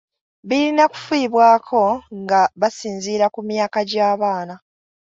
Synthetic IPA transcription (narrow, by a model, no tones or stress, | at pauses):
βiɾinaku̥fwiːβwaːkʰo̞ŋɡaβasiːnziːɾakumjaːkaɟaːβaːna